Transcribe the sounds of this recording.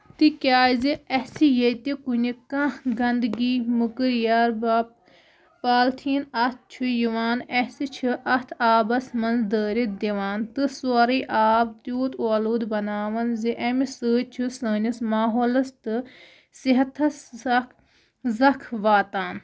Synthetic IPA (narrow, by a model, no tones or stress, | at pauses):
t̪ikʲaːjziɐsijet̪ikunikãɡɐnd̪ɡiːmukɨɾjaːɾbap | paːlt̪ʰiːnɐt̪̚ʰt͡ʃʰujiʋaːnesit͡ʃʰɨʔɐt̪ʰaːbɐsmɐnzd̪əːɾid̪iʋaːnt̪ɨsoɾiːʔaːb̚t̪juːt̪oːluːd̪bɐnaːʋɐnziʔɐmisɨːt͡ʃʰusəːnʲɐsmaːɦoːlɐst̪ɨ | siɦɐt̪ʰɐsɐk | zɐkʰʋaːt̪aːn